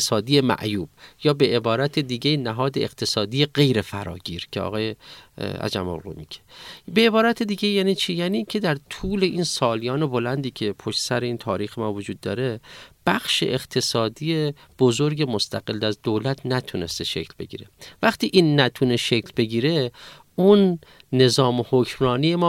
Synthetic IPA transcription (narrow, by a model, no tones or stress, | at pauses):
sɒːd̪ijemæ̰ʔjuːb̥jɒːbe̞ʔebɒːɾæt̪ʰe̞d̪iːɡejinæɦɒːd̪eeqt̪ʰe̞sɒːd̪iːje̞ɢe̞jɾe̞fæ̰ɾɒ̰ːɟiːɾcʰeɒ̰ːɣɒːjeæ̰d͡ʒæmo̰lʁṵmice̥be̞ebɒːɾæt̪ʰed̪iːɡe̞jæːniːt͡ʃʰijæːniicʰe̞d̪æɾt̪ʰuːle̞ʔinsɒːlijɒːne̞bo̞lænd̪iːcʰe̞pʰoʃt̪sæɾeiːnt̪ʰɒːɾiːxemɒːvod͡ʒuːd̪̚ːɒːɾe̞b̥æxʃḛʔeqt̪ʰe̞sɒːd̪ijeb̥ozo̞ɾɟe̞most̪ʰæɡelːd̪æzd̪oːlæt̪ʰnæt̪ʰune̞st̪eʃḛcʰlbe̞̰ɟḭːɾe̞væχt̪iːʔiːnːæt̪ʰune̞ʃekʰlbe̞ɟiːɾe̞ | unː | e̞zɒːmohocʰmɾɒːnijemɒː